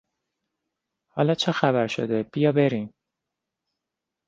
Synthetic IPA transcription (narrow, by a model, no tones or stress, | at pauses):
hɒːlɒːt͡ʃʰexæbæɾʃo̰d̪eb̥ijɒːbe̞ɾiːm